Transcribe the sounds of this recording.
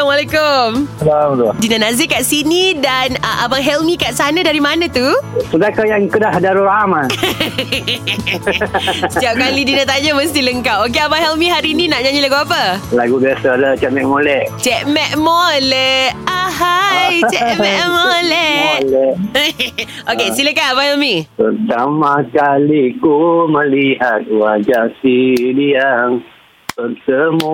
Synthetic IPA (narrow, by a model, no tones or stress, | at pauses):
amalekʊmlamt̪dinãnazɪkaʔsinidanəʔabaɦɛlmĩkaʔsanadaɾimanãt̪usəbakajaŋkədahdaɾuɾaman | siap̚kalidinãt̪aɲaməst̪iləŋkawok̬eamaŋɦɛlmĩɦaɾiːnĩnaʔɲaɲĩlaɡuapalaɡubiasalat͡ʃɛʔ̚mɛʔmolɛʔt͡ʃɛʔmɛʔ̚molɛahajt͡ʃɛʔmɛʔmolɛlɛʔ | ʔokesiləkanamahɛlmĩpərt̪amãkalikuməliɦat̪̚wad͡ʒasidiaŋ | pərt̪əmu